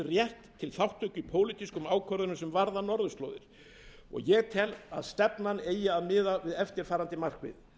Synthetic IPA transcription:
rjɛht̪ʰːɪlθawht̪ʰʏcʏpʰoːwlit̪iskʏmaːwkʰœɾðʏnʏmsɛmvaɾðanɔɾðʏst̪lo̰wðɪɾ̥ | ɔ̰ɣjɛɣt̪ʰɛla̰ðst̪ɛpnaneːjɪaðmɪːðavɪðɛft̪ɪɾ̥faːɾant̪ɪmar̥kvɪ̰ð

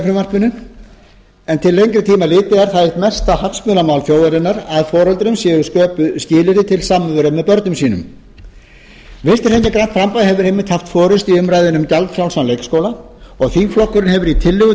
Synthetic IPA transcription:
fɾʏmar̥pʏnʏn | ɛnt̪ʰɪlːejŋkɾɪt̪ʰiːmalɪːt̪ɪaɾ̥θaðjɪht̪mɛst̪ahafsmʏnamawlθjoːwðaɾɪnːaɾaðfɔːɾɔlt̪ɾʏmsjɛːɣʏskœːpʏscɪːlɪɾɪt̪ʰɪlsaːmːʏvʏɾamːɛðpœɾt̪nʏmsiːnʏ̰m | vɪst̪ɪɾhɛɲːɛkɾant̪fɾampajhɦɛvʏɾ̥hejmːɪ̥t̪ʰhaft̪fɔːɾʏst̪iʏmɾaːjðɪnʏmcalt̪fɾawlsanlejkskoːwla | ɔɣθiŋkflɔhkːʏɾɪnhɛvʏɾit̪ʰɪlːʏɣʏ

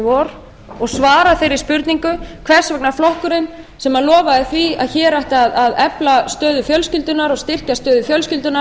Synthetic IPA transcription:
vɔɾ | ɔɣsvaːɾafejɾɪ̥spʏɾt̪niŋkʏkʰvɛr̥svɛknaflɔhkʏɾɪn | sɛmalɔːvaɪθvia̰ðçɛːɾaht̪aaðaðɛplast̪œːðʏfjœlscʏlt̪ʏnaɾɔɣst̪ɪr̥cast̪œːðʏfjœlscʏlt̪ʏna

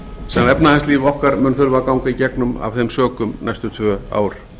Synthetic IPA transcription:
sɛnɛpnaðaɛnst̪liːvɔhkaɾmʏːnθʏɾvakawŋkaicɛknʏma̰v̥θejmsœːkʏmnajst̪ʏt̪ʰvœːa̰ːwɾ̥

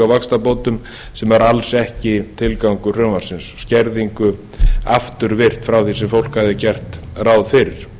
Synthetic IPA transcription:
awvakst̪apoːt̪ʏm | sɛmvaɾalsɛhcɪt̪ʰɪlkawŋkʏr̥œːmḁsɪnsscɛɾðiŋkʏ | aft̪ʏɾvɪr̥t̪fɾawθisɛmfowl̥khaðɪcɛr̥t̪rawðfɪɾɪɾ̥

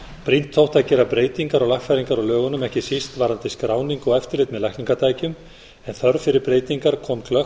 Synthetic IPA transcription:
pɾin̥t̪ʰːowht̪acɛɾapɾeːjt̪iŋkaɾɔɣlaxfɛɾiŋkaɾɔlœːɣʏnʏmɛhcɪsist̪vaɾant̪ɪskɾaːwniŋkɔɛft̪ɪɾlɪːt̪mɛðlajhkniŋkat̪ʰaːjcʏm | ɛnθœɾfɪɾɪɾpɾeːjt̪iŋkaɾkʰɔːmkʰlœ

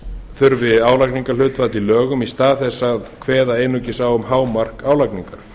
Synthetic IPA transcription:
θʏɾvɪaːwlakniŋkal̥ʏːt̪fat̪ilœːɣʏmist̪aːðθɛsːaðkʰvɛːðaeːjnʏcɪsaːwʏmhaːwmar̥kaːwlakniŋkaɾ̥

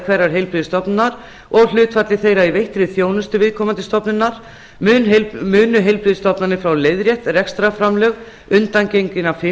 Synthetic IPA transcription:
kʰvɛɾaɾ̥ɦejlpɾɪːðɪst̪ɔpnnaɾ | ɔɣlʏːt̪fat̪lɪθejɾaivejht̪ɾɪθjoːwnʏst̪ʏvɪðkʰɔːmant̪ɪst̪ɔpnʏnːaɾ̥ | ʏːnmʏːnʏɦejlpɾɪːðst̪ɔpnanɪfɾawlejðɾjɛht̪rɛkst̪ɾafɾamlœɣ | ʏnt̪ancejɲcɪnafɪ

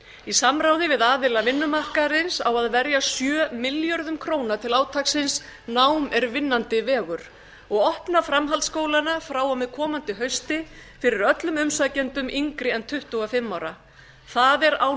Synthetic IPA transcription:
isamɾaːwðɪvɪðaːvɪlavɪnːʏmarkaɾɪnsawaðvɛɾjasjœːmɪljœɾðʏmkʰɾoːwnat̪ʰɪlaːwt̪ʰaksɪnsnaːwmɛɾvɪnːant̪ɪvɛːɣʏɾ̥ | ɔɣɔhpnafɾamɦalt̪skoːwlanafɾawamɪðkʰɔːmant̪ɪɦœɥst̪ɪfɪɾɪɾœt̪lʏmʏmsacɛnt̪ʏmʔiŋkɾɪɛnt̪ʰʏht̪ʏɣafɪmːawɾa | θaðɛɾa̰w

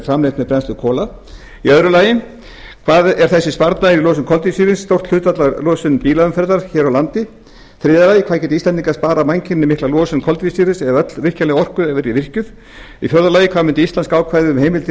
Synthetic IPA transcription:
fɾamlejht̪mɛðpɾɛnst̪ʏkʰɔːla | iœðɾʏlaːjɪn | kʰvaːðɛɾ̥θɛsːɪspaɾt̪naɾilɔːsʏmkʰɔlt̪visiːɾɪnsːt̪owr̥t̪l̥ʏt̪vat̪lalɔːsʏnpiːlaʏmfɛɾðaɾ̥çɛːɾawlant̪ɪ | fɾɪːðalaːjɪkʰaːðcɛːt̪ɪist̪ɛniŋkaspaːɾamajɲcɪnːɪmɪhklalɔːsʏnkʰɔlt̪visiɾɪsɛðaœt̪l̥vɪr̥calɪɔr̥kʏɛːvɪɾivɪr̥cʏð | ifjœɾðɾalaːjɪkʰvaðmʏnt̪ɪist̪anskaːwkʰvajðʏʏmhejmɪlt̪ɪ

